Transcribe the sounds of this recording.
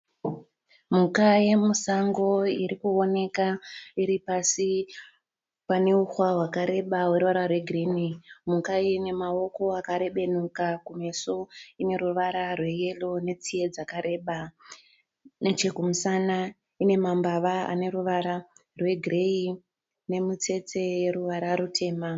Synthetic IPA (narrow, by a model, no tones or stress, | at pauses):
mukaje̞musaŋɡo̞iɾikuo̞ne̞kaiɾipasi | pane̞uxwawakaɾe̞ɓawe̞ɾuʋaɾarwe̞ɡʱrinimukaine̞mao̞ko̞akaɾe̞ɓe̞nukakume̞soine̞ɾuʋaɾarwe̞je̞lo̞ne̞t͡sije̞d͡zakaɾe̞ɓa | net͡ʃekumusana | ine̞mambaʋaa̰ne̞ɾuʋaɾarwe̞ɡʱrei | ne̞mut͡se̞t͡se̞je̞ɾuʋaɾaɾutʰe̞ːma